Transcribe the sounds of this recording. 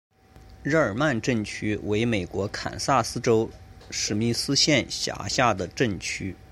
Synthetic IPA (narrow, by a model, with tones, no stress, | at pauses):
ɻ̩˥˩ə˞˨˩ma˥˧nʈ͡ʂə˥˩nt͡ɕʰy˥we˧˥ɪme˨˩ɪkwɔ˧˥kʰa̰˨˩nsa˥˩sɹ̩˥ʈ͡ʂo˥ʊʂɻ̩˨˩mi˥˩sɹ̩˥ɕjɛ˥˩nɕja̰˧˥ɕja˥˩d̪ə˩ʈ͡ʂə˥˩nt͡ɕʰy˥